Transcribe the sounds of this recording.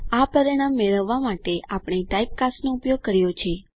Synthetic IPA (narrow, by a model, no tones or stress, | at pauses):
apəɾiɽ̃amːeɭəʋːamaʈeʔapɳ̃eʈaip̚kasnoʊpjoɡ̚kəɾjot͡ʃʰe